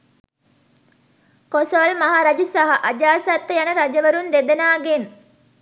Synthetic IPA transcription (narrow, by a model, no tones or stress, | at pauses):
kosolmaɦaːɾad͡ʒusaɦaʔad͡ʒaːsat̪ːəjanəɾad͡ʒəʋəɾund̪ed̪ənaːɡen